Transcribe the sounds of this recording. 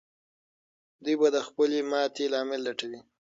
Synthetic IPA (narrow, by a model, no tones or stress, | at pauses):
d̪ujbad̪əxpəlemɑt̪elɑmɪlːaʈawi